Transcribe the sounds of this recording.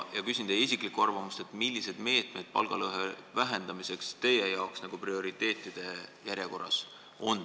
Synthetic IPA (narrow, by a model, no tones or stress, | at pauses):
jɑkysʲind̪̥ɑisʲikˑlikuɑrvɑmust̪e̞t̪ˑmilʲːise̞d̪̥me̞ːt̪me̞d̪̥̚pɑ̰lɡ̥ɑlɤɦevæɦe̞nd̪̥ɑmisekst̪e̞je̞jɑoksnɑɡ̥uprio̞ɾit̪ːe̞ːt̪ˑːid̪̥e̞jæɾjeko̞rːɑ̰s | o̞n